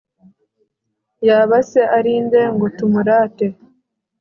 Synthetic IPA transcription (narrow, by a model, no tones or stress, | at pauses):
jaβaseʔaɾiːnde̞ŋɡotumuɾaːte